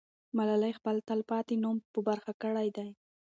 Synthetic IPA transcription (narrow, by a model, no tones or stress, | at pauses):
malalajxpəlt̪alpɑt̪inumpəbaɾxakəɽajd̪aj